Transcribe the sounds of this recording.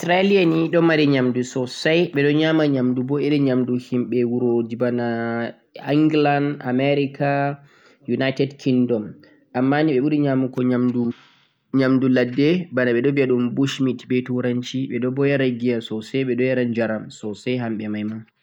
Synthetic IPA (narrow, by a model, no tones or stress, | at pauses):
sɾalianiɗɔmaɾɛɲamdusɔsajɓɛɗɔɲamaɲamdubɔɛɗɛɲamduhimɓɛwuɾod͡ʒibana | iŋɡlandamɛɾikʰa | junajtɛdkʰindɔm | ʔamːaniɓɛɓuɾiɲamukɔɲamdu | ɲamduladːɛbanaɓɛɗɔbiaɗumbuʃmitbɛtuɾaɲt͡ʃiɓɛɗɔbɔjaɾaɡiasɔsajɓɛɗɔjaɾand͡ʒaɾamsɔsajɦamɓɛmajma